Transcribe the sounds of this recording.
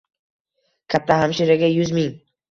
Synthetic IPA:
kʲʰap̚t̪ʰahamʃiɾaɡʲajʊzmɪŋ

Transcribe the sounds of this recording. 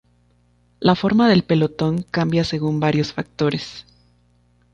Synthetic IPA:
lafo̞ɾmaðe̞lpe̞lo̞t̪o̞ŋkambjase̞ɣumbaɾjo̞sfak̚t̪o̞ɾe̞s

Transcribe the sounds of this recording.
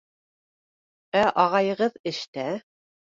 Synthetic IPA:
æʔɑʁɑjɤ̆ʁɤðɘ̆ʃt̪æ

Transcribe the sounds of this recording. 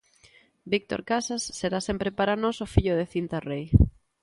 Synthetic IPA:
bik̚t̪o̰ɾkasasːeɾasempɾɪpaɾanɔsʊfiʎʊðeθint̪arej

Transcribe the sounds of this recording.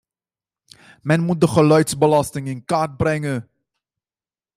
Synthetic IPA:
mɛnmut̚dəχəlœɥtsbəlɑstɪŋɪnkaːrd̚brɛŋə

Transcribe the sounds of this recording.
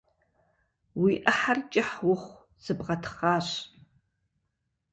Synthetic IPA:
wiʔəħart͡ʃʼɪħwʊχʷ | z̥ɨbʁɐtʰχaːɕ

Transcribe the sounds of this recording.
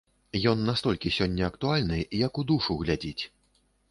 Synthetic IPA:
jɔnːast̪ɔlʲkʲisʲɔnʲːɐɐkt̪ualʲnɨjɐkud̪uʂuɣlʲad͡zʲit͡sʲ

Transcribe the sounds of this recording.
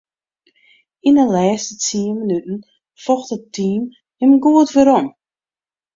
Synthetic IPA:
inəlɛːstət͡siːmənytn̩ | fɔxtətːiːm | həmɡuətvəɾɔm

